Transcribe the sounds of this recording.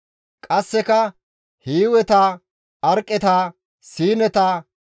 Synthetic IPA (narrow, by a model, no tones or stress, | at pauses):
kʼɐsːɛkɐ | hiːwɛt̪aː | ɐɾkʼːɛt̪aː | siːnɛt̪aː